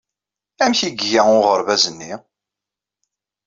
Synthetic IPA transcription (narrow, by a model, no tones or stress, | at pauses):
æmçiɡʝæʊʁəɾvæzənːi